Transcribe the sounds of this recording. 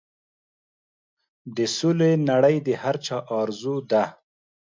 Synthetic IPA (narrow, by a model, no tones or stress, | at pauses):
d̪əsulenaɽəjd̪əhaɾt͡ʃɑʔɑɾzud̪a